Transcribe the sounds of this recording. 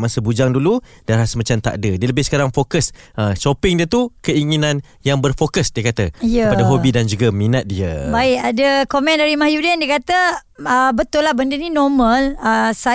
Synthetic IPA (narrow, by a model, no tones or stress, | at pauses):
masəbud͡ʒaŋdulu | daɾahsəmat͡ʃamt̪a̰ʔdədiələbɪhsə̥kaɾaŋfokəsʔəʃopɪŋdiət̪ukəiŋinãn | jaŋbərfokəsdiəkat̪əijəəpadaɦobidand͡ʒuɡaminat̪̚diə̰baɪʔadəkomɛ̃ndaɾimahjudɛndiəkat̪ə | əbət̪ʊlahbəndəninɔmə̃ləsa